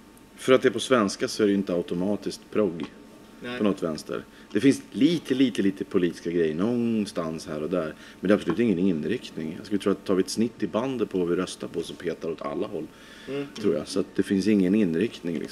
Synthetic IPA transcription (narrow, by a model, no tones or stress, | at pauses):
fœɾat̪̚d̪ɛːɾpʰɔsvɛnskasɔæɾɖɛjʏɪnt̪əaʊt̪ʊmɑːt̪ɪskt̪pʰɾɔɡ | pʰɔnɔt̪ːvɛnst̪ə̰ɾ | d̪̥ɛfɪnsliːt̪ʰəliːt̪əliːt̪əpʰʊliːt̪ɪ̥skaɡɾɛjːəɳɔnst̪anshæːɾɔd̪æːɾ | mɛnd̪ɛapslʉ̟ːt̪ːɪŋːənɪnɾɪkt̪nɪŋaskɵlɪt̪ʰɾuːat̪̚t̪ʰːɑːvɪɛt̪snɪt̪ːɪband̪ət̪̚pʰɔvavɪɾœst̪aɾpʰɔsɔmpʰeːt̪aɾɔt̪ʰa̰lːahɔlː | t̪ʰɾuːja̰sat̪̚d̪ɛfɪnsɪŋːənɪnːɾɪkt̪nɪŋlɪ̰ksm